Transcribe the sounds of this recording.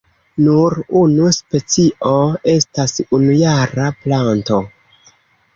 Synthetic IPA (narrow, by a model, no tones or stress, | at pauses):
nuɾunuspe̞t͡siʔo̞e̞stasunujaɾaplanto̞